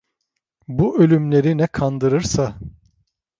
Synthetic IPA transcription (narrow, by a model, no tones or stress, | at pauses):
buʔø̞lʲymlʲe̞ɾinɛkʰand̪ɯɾɯɾsa